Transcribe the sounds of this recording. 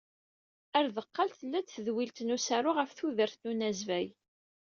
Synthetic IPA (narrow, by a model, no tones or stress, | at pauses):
æɾðəqːɑlt̪θəlːæt͡sθðwilt̪nusæɾʊʁæfθuðəɾθnunæzvæj